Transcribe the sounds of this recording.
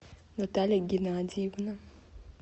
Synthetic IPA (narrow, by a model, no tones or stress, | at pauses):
notaleɡinadiβuna